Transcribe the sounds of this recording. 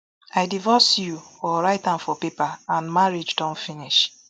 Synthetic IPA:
aɪdivɔsjuɔɾaɪtãnfɔpepaãnmaɹid͡ʒdɔ̃nfiniʃ

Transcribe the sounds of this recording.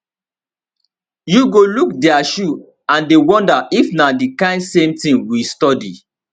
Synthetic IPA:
juɡolukdɛaʃu | ãndewɔ̃ndaʔifnadikãɪ̃ndsẽmtĩŋwistɔdḭ

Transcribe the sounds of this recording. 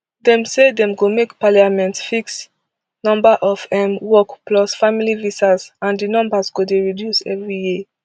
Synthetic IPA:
dɛ̃msedɛ̃mɡomekpaliamɛ̃ntsfiks | nɔ̃mbaʔɔfɛ̃mwɔkplɔsfamilivisazãndinɔ̃mbazɡodeɹidjusɛ̰vɹiji

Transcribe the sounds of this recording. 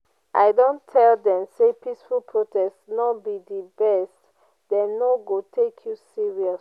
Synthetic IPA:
ʔa̰ɪdõntʰɛldɛ̃msepʰisfulˠpʰɹotɛstnɔbidibɛst | dɛ̃ːoɡotʰekʰjusiɹiɔs

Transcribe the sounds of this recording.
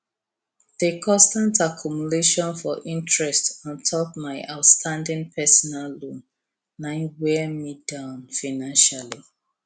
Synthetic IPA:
ðekʰɔ̃stãntakʰjumuleʃɔ̃nfɔʔĩntʰɹɛstɔ̃ntʰɔpmaɪʔaʊtstʰãndɪ̃ŋpʰɛsɔnalːõn | nãɪwɛmidãʊ̃nfaɪnãnʃali

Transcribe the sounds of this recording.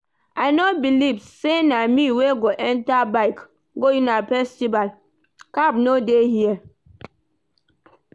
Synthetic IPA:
ajnobilivsenamiweɡoʔɛntabaɪk | ɡojĩnafɛstival | kab̚nodehiɛ

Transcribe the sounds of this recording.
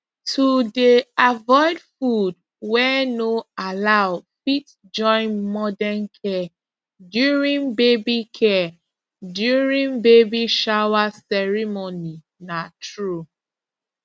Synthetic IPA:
tʰudeavɔɪdfud | wɛnoalaʊfit | d͡ʒɔ̃ɪ̃nmɔdɛnkʰɛ | djuɹĩnbebikʰɛ | djuɹĩŋbebiʃawasɛɹimoni | natʰɹu

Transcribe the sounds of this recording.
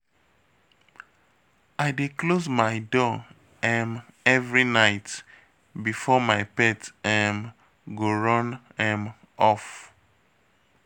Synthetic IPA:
aɪdeklozmaɪdɔ | ɛ̃mɛvɹinaɪt | bifɔmaɪpɛtɛ̃m | ɡoɹɔ̃n | ɛ̃m | ɔf

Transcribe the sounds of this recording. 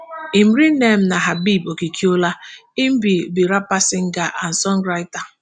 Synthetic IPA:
im̩ɾinem̩naɦabibokikʰiolaim̩bibiɾapasɪŋ̩ɡaʔan̩sɔŋɡɾaɪta

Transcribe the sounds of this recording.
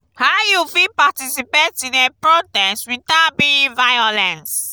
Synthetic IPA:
hajufipatisipetĩdɛpɹotɛswitabĩvajɔlɛ̃ns

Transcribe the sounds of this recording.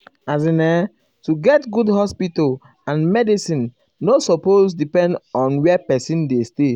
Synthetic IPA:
azĩnɛ | tuɡɛtɡudhɔspital | ãnmɛdisĩnː | osɔpozdipɛ̃ndɔ̃nwɛpɛsĩndeste

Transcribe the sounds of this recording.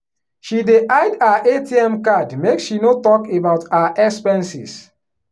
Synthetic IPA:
ʃideʔaɪdaʔetiɛ̃mkadmeksʃinotɔkebaʊtaaʔɛkspɛ̃nsḭs

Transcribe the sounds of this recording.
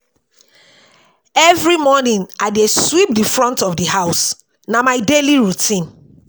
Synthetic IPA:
ɛvɹimɔnĩnaɪdeswip̚difɹɔ̃ntɔfdihaʊs | namaɪdeliɹutʰĩn

